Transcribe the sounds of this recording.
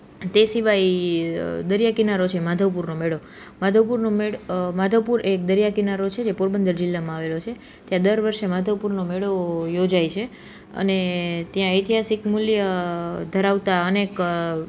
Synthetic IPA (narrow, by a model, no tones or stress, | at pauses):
t̪esiʋaj | d̪əɾjakinaɾot͡ʃʰemad̪ʱəʋpuɾnomeɭo | mad̪ʱəʋpuɾnomemad̪ʱəʋpuɾek̚d̪əɾjakinaɾot͡ʃʰed͡ʒepoɾbənd̪əɾd͡ʒɪlːamãaʋelot͡ʃʰe | t̪jãd̪əɾʋəɾʃemad̪ʱəʋpuɾnomeɭojod͡ʒajt͡ʃʰe | ə̰net̪jãəjt̪iɦasikmuljəd̪ʱəɾaʋt̪aənek